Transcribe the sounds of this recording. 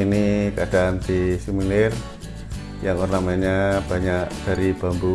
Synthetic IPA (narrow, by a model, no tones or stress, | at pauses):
inikəad̥aʔand̪isiminɪr | jaŋornamaɲab̥aɲaʔd̥aɾib̥a̤mbu